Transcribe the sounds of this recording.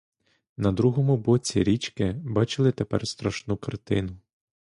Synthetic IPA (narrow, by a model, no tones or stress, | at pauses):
nɐd̪ɾuɦɔmʊbɔt͡sʲiɾʲit͡ʃkɪbɑt͡ʃɪlˠɪt̪epɛ̰rst̪ɾɐʃnukɐrt̪ɪnʊ